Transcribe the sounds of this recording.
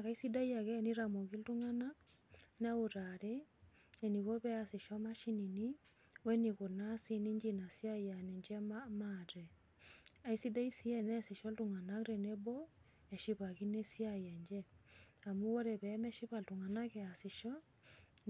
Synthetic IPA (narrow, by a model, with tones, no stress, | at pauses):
a˨ka˨i˦si˦da˦ja˨kɛ˦ni˦ɾa˨mo˨ki˦ltu˦ŋa˦na˦ | n˦a˦u˨ɾa˨ɾe˦ | ɛ˨ni˨ko˦pɛ˦a˨sɪ˨ʃɔ˦ma˦ʃi˦ni˨ni˦ | wɛ˦ni˨ko˨na˦si˦ni˦ɲd͡ʒi˦na˨sja˦ja˨nɛ˨ɲd͡ʒɛ˦amatɛ˨ | a˨i˦si˦da˦i˦si˦ɛ˦nɛ˦sɪ˨ʃɔ˦ltu˦ŋa˨na˦ɾe˨ne˦bɔ˦ | ɛ˨ʃi˦pa˨ki˦ne˦sja˦jɛ˨ɲd͡ʒɛ˦a˨mu˦wɔ˦ɾɛ˨pɛ˨˦mɛ˦ʃi˦pa˨ltu˨ŋa˨na˦kɛ˨a˨sɪ˨ʃɔ˦